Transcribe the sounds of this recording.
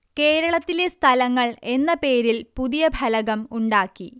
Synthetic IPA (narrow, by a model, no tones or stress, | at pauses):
ke̞ːɾɐɭɐt̪ːile̞st̪ʰɐlɐŋːɐɭe̞nːɐpe̞ːɾilpuðijɐbʱɐlɐɣɐmuɳɖaːkːi